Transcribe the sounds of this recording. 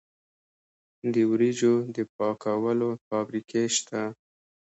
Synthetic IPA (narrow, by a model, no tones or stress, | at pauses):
d̪əwɾid͡ʒod̪əp̚ɑkawəlofɑbɾikʰeʃt̪a